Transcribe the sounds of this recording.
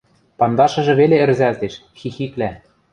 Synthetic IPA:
pɑnd̪ɑʃɤ̆ʒɤ̆βeleɘ̆rzælt̪eʃ | xixiklæ

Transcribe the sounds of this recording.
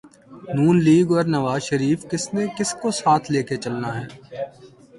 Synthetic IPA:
nuːnliːɡɔːɾnɐʋaːzʃəɾiːfkɪsnekɪskosaːt̪ʰleːket͡ʃɐlnaɦɛː

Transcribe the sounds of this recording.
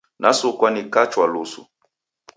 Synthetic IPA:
nasokwanikat͡ʃwalosṵ

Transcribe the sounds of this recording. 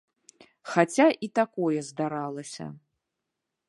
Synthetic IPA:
xat͡sʲaʔit̪akɔjɛzd̪aɾalˠɐsʲɐ̰

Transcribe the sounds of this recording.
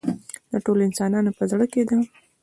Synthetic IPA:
d̪aʈoloɪnsɑnɑnopəzɽəked̪a

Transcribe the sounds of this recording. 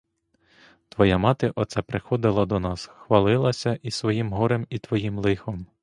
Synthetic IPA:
t̪ʋɔjamɑt̪ɪʔɔt̪sɛpɾɪxɔd̪ɪlˠɐd̪ɔnɑsxʋɐlˠɪlˠɐsʲɐʔisʋɔjimɦɔɾemit̪ʋɔjimlˠɪxɔm

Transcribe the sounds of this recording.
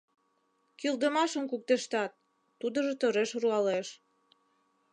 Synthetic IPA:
kild̪əmɑʃənkuk̚t̪eʃt̪ɑt̪̚ː | ud̪ə̆ʒet̪oɾeʃruɑleʃ

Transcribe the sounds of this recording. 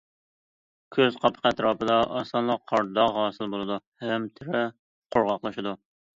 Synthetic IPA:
kʲʰøzqʰɑpʰə̥qʰɛt̪ɾɑːpəd̪ɑʔɑsɑnlˠɑqʰːɑɾd̪ɑɑːsɨlˠbolˠɨd̪uhɛmt̪ʰɪɾɪ | qʰoɾʁɑqlˠɨʃɪd̪u

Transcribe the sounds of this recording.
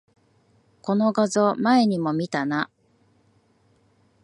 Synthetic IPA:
ko̞no̞ɡazo̞mae̞ɲ̟imo̞mʲit̪ana

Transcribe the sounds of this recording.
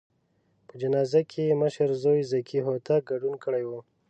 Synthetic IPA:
pəd͡ʒanɑzakʰeməʃəɾzojzakʰiɦot̪ʰaɡaɖunkəɽajwu

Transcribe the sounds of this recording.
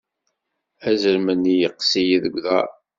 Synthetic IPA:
æzəɾmənːijəqːsijiðəɡʷðæ̰

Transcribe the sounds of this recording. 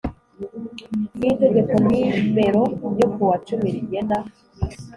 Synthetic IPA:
nite̞ɡe̞koniːbe̞ɾojokuwat͡ʃumiɾiɟena

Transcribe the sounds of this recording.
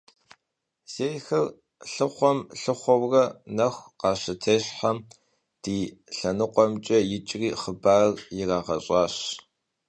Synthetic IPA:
z̥eːjxɐr | ɬɨχʷɔmɬɨχʷɔwrɐnɐxʷqɑːɕɪtʰeːɕħɐm | d̥iːɬɐnɨqʷʼɔmt͡ʃʼɐjɪt͡ʃʼriːχəbaːrjɪraːʁɐɕʼɑːɕ

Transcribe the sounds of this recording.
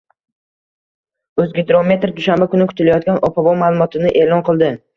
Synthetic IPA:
ɵzɡʲed̪ɾome̞t̪ɾd̪ʊʃambakʰʊnɪkʰʊ̥t̪ʰɪlajɒt̪̚ɡʲanɒpʰabɒmaːlˠʊmɒt̪ʰɪnɪʔe̞lˠɒnqʰɨlˠd̪ɪ

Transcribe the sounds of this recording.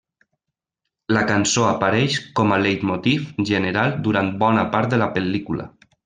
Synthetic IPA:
lakansoapaɾɛʃkɔmalejt̪mot̪ifʒənəɾalˠd̪uɾant̪̚bɔnapaɾt̪̚d̪əlapəlikulə̰

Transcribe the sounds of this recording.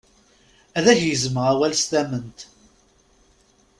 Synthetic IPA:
æðæçjəzməʁæwælst̪æmənt̪

